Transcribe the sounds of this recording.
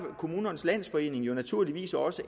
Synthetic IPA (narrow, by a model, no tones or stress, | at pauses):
kʰo̝muːnɐnslæn̰sfɒ̽e̝̰ːne̝ŋjo̝næt͡sʰuɐ̰liʋḭːsɒ̽sə